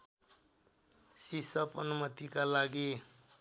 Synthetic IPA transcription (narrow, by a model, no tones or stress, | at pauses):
sisʌpʌnumʌt̪ikalaɡi